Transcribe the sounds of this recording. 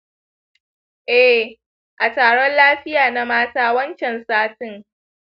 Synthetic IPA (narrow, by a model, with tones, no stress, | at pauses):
ʔɛ˦˨ | ʔa˨taː˨ɽɔ˦nlaː˦ɸɪ˦jaː˨na˨maː˦taː˦wɐ˦nt͡ʃɛ˨nsaː˦tɪ˨ŋ